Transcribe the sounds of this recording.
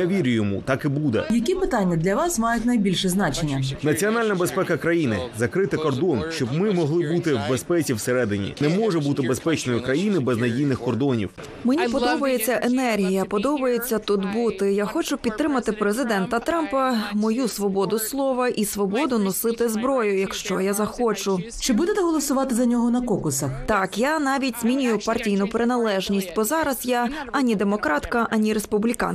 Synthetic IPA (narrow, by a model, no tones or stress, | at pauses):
jaʋʲiɾʲʊjɔmṵt̪ɑkɪbud̪ɛ̰jɐk̬ʲipɪt̪anʲːɐd̪lʲɐʋɑsmɑjʊtʲnɐjbʲilʲʃɛznɑt͡ʃenʲːɐnɐt͡sʲiɔnɑlʲnɐbe̞spɛkɐkɾɐjinɪzɐkɾɪt̪ɪkɔrd̪ɔnʃt͡ʃɔbmɪmɔɦlˠɪbut̪ɪwbespɛt͡sʲiwseɾɛd̪ɪnʲḭnɛmɔʐɛbut̪ɪbe̞spɛt͡ʃnɔjʊkɾɐjinɪbɛznɐdʲijnɪxkɔrd̪ɔnʲḭw | menʲippɔd̪ɔbɐjet͡sʲːɐʔenɛrɦʲijɐpɔd̪ɔbɐjet͡sʲːɐt̪ud̪but̪ɪjaxɔt͡ʃʊpʲid̪t̪ːɾɪmɐt̪ɪpɾezɪd̪ɛnt̪ɐt̪ɾɑmpɐmɔjusʋɔbɔd̪ʊslˠɔʋɐʔisʋɔbɔd̪ʊnɔsɪt̪ɪzbɾɔjʊjɐkʃt͡ʃɔjazɐxɔt͡ʃʊ | t͡ʃɪbud̪et̪ɛɦɔlˠɔsʊʋɑt̪ɪzɐnʲɔɦɔnɐkɔkʊsɐxt̪ɑkjanɑʋʲitʲz̥mʲinʲʊjʊpɐrtʲijnʊpɾɪnɐlˠɛʒnʲisʲtʲbɔzɑɾɐzjaɐnʲid̪emɔkɾɑt̪kɐʔɐnʲiɾespublʲikɑ̰n